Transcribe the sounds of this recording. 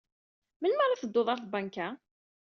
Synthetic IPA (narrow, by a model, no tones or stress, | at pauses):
mənməɾˤɑθəd̪ːoðˤɑɾθbaŋka